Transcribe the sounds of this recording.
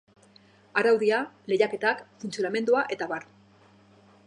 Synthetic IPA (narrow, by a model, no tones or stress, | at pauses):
aɾawðiale̞jake̞t̪akfunt͡sijoɾame̞nd̪uaʔe̞t̪aβaɾ